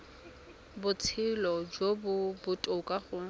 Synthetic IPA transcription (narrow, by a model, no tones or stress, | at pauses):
bʊt͡sʰɪlɔd͡ʒobʊbʊtʼokʼaɣʊ